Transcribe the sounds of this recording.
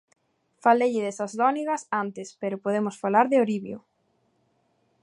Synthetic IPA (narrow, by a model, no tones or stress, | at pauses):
faleʎɪðesazlɔniɣɐsant̪ɪspeɾopoð̞emosfalaɾðɪoɾiβju